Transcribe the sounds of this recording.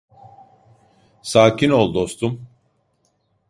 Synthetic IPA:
saːcʰino̞lˠd̪o̞st̪ʰum

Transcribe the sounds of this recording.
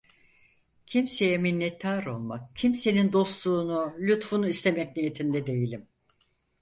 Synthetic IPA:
cʰimse̞jɛminʲːɛt̪ʰːaːɾo̞lˠma̰k̚cʰimse̞nind̪o̞st̪lˠuːnulʲut̪funuist̪e̞mɛc̚nije̞t̪ʰind̪ɛd̪e̞jilʲim

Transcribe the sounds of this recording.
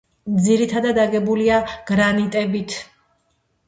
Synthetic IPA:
md̪ziɾit̪ʰad̪ad̪aɡɛbuliaɡ̥ɾanit̪ʼɛbit̪ʰ

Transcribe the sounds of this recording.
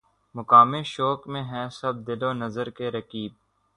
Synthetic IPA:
mʊkaːmeʃɔːkmẽɦɛ̃sɐb̚d̪ɪloːnɐzəɾkeɾɐkiːb̚

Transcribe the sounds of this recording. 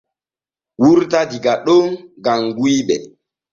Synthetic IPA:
wuɾtadiɡaɗoŋɡaŋɡuiɓɛ

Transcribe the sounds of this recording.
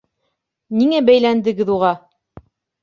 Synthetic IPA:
niŋæbæjlænd̪ɘ̆ɡɘ̆ðuʁɑ

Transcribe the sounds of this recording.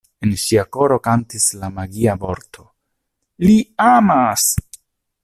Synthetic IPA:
e̞nʃiako̞ɾo̞kantislamaɡiabo̞ɾtʰo̞ | liamas

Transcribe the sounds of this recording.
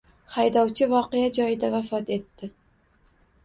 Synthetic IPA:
hajd̪ɒwt͡ʃʰɪvɒqejad͡ʒɒjɪd̪avafɒt̪e̞t̪ːɪ

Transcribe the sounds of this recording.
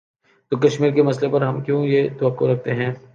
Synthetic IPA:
t̪oːkɐʃmiːɾkemɐslepɐɾɦɐmkjõːjet̪ɐʋɐqːoɾɐk̚ʰt̪eɦɛ̃ː

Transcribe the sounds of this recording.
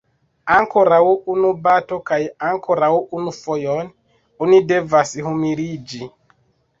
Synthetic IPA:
aŋkoɾauʔunubatokajaŋkʰoɾauʔunufojɔn | unidevasihumiɾid͡ʒi

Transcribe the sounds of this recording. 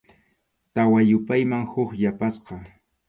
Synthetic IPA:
t̪awajʊpajmaŋhʊχjapasqɑ

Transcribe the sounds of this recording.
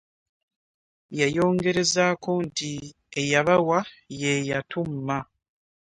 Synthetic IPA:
jajo̞ːŋɡe̞ɾe̞zaːko̞nti | ejaβawaje̞jatumːa

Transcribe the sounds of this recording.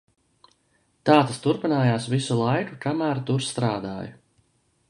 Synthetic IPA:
t̪aːt̪ast̪uɾpinaːjaːsvisulˠajkukamæːɾt̪uɾst̪ɾaːd̪a̰ːju

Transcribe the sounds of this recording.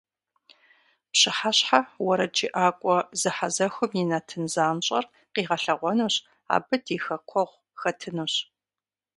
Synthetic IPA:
pɕɪħaɕħawɐɾɐd͡ʒʼɪʔaːkʷʼɔzɨħazɐxʷʊminɐtʰɨnzaːmɕʼɐ̰r | qiːʁɐɬɐʁʷɔnuːɕ | a̰ːbɨdʰiːxɐkʷʰɔʁʷ | xɐtʰɨnuːɕ

